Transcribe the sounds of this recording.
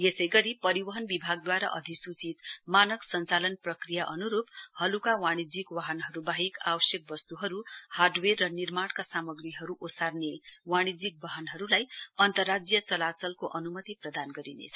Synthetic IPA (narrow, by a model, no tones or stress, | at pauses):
jesʌjɡʌɾipʌɾibʌɦʌnbibʱaɡ̚d̪waɾa̰ʔʌ̰d̪ʱisut͡sit̪manʌksʌnt͡salʌnprʌkrijaʔʌnuɾuphʌlukawaɽ̃id͡zikwaɦʌnɦʌɾubaɦikawʌsjʌk̚bʌst̪uɦʌɾuharɖwerːʌnirmaɽkasamʌɡriɦʌɾuʔosarnewaɽ̃id͡zik̚bʌɦʌnɦʌɾulajʌnt̪ʌrːad͡zjʌt͡sʌlat͡sʌlkoʔʌnumʌt̪iprʌd̪anɡʌɾinḛt͡sʰʌ